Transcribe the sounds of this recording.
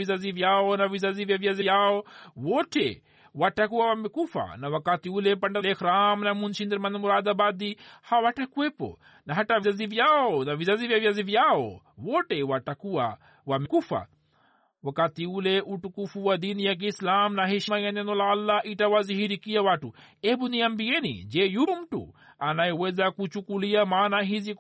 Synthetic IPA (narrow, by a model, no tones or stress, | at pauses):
izaziʋjaːonɐʋizaziʋjaʋjazijaowoʈʰḛ | waʈakuaʋamekufa̰nɐʋɐkat̪iulepɐɳɖalexɾaːmnɐmunʃind̪ɾmɐnd̪muɾaːd̪abaːd̪ihaʋaʈʰakuepo̰ | nɐɦɐʈaʋizaziʋijaːonɐʋizaziʋjaʋjaziʋijao̰woːʈewaʈɐkua | wamikufa̰ | ʋɐkat̪iuleʔuʈukufuwad̪iːnjak̬iːslaːmnaɦiʃimajɐnenolaːlːaʔiʈaʋaziɦiɾikijaʋaʈuebunijɐmbienḭd͡ʒejuɾumʈṵ | anajwezakut͡ʃukulijamaːnaɦizi